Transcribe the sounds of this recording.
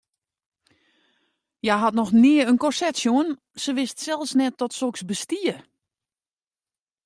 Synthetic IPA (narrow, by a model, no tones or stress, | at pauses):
jaɦatnɔxnɪəənkɔsɛtsjoən | səʋɪstsɛlˠfsnɛt̚ːɔtsoksbəstiə